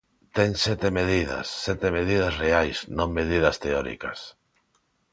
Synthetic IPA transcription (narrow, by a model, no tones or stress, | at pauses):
t̪ɛŋsɛt̪emeðiða̰sːɛt̪emeðið̞asreajsnõŋmeðið̞ɐst̪eɔɾḭka̰s